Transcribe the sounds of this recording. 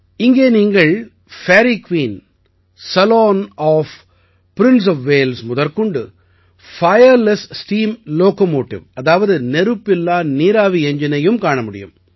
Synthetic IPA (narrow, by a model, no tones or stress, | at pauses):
ɪŋɡeːniːŋɡɐɭ | feːɾikʋiːn | sɐloːnɔːf | pɪɾɪns̬ɔfʋeːlsmʊðɐɾkɯɳɖɯ̰ | fɐjɐɾlɛssʈiːmloːkomoːʈːɪ̰ʋɐðaːʋɐðɯnɛɾɯpːɪlːaːniːɾaːʋiɛɲd͡ʒɪnɐjɯmkaːɳɐmʊɽɪ̰jɯ̰m